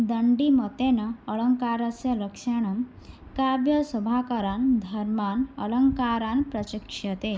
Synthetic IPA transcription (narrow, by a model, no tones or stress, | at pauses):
d̪ɐɳɖimət̪enɐːɭəŋkaɾəsjɐlɐkʂaɳ̃ɐm | kabjɐsubʱakɐɾand̪ʱɐɾmanɐ̰ləŋkaɾanpɾɐɕikʂɐt̪e